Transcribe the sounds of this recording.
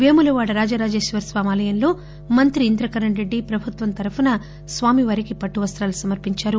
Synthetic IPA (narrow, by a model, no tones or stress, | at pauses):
ʋeːmulɐʋaːɽɐɾaːd͡ʒaːɾaːd͡ʒe̞ːʃʋɐɾsʋaːmaːlɐjɐnlo̞ː | mɐnt̪ɾiːnd̪ɾɐkɐɾɐɳɾe̞ɖːipɾɐbʱut̪ʋɐnt̪ɐɾɐpunɐ | sʋaːmiʋɐːɾikipɐʈːuʋɐst̪ɾaːlusɐmɐɾpiɲt͡ʃaːɾu